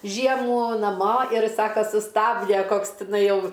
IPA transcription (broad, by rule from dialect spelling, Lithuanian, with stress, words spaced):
ˈʒʲiɛmuː nɐˈmoː ɪr ˈsɑːkɐ sʊˈstɑːbʲdʲɛ ˈkoːks tʲɪˈnɐɪ ˈjɛʊ